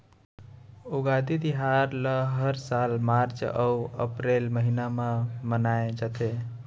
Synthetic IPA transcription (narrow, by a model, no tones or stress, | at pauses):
uɡad̪id̪iɦaɾləɦəɾsalmaɾt͡ʃəuə̰pɾelməɦinamemənaed͡ʒət̪e